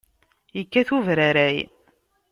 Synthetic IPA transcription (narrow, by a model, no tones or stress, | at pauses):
jəkːæθuvɾaɾæj